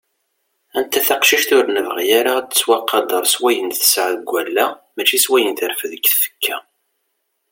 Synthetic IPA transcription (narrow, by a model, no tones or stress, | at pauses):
ænt̪ːæθɑqʃiʃt̪ʊɾnəvʁjaɾaət͡sːwɑqːɑd̪ˤɑɾˤswæjənθə̥sʕəðɡʷːælːæmæt͡ʃːiswæjənθəɾfðəkːθfə̥kʰːæ̰